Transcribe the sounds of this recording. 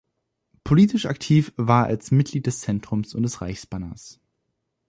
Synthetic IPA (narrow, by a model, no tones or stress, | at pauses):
pʰoliːtɪʃaktʰiːfvaːɐa̰lsmɪt̚ɡ̥liːt̚d̥ɛst͡sɛntʁ̥ʊmsʊnt̚d̥ɛsʁa̰ɪçsb̥anɐs